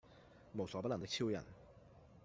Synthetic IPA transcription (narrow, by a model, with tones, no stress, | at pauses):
mo˨˩wsɔː˨˥pɐ˥tlɐ˨˩t̪ɪ˥kt͡sʰiː˥wjɐ̰˨˩n